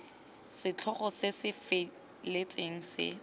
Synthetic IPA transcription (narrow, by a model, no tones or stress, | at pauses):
sɪt͡ɬʰɔχɔsɪsɪfe | let͡sʼeŋ̩sɪ̰